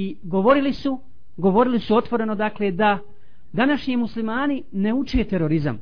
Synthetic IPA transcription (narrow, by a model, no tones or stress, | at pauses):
i | ɡo̞ʋo̞ɾilisu | ɡo̞ʋo̞ɾilisuo̞t̪ʋo̞ɾe̞no̞d̪aːkled̪a | d̪anaʃɲimuslimaːnine̞ut͡ʃe̞ːt̪eɾo̞ɾiza̰m